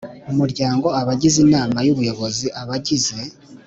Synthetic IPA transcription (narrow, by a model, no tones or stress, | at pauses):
omuɾɟaːŋɡo̞aβaɟizinaːmajuβujo̞βo̞ziʔaβaɟize̞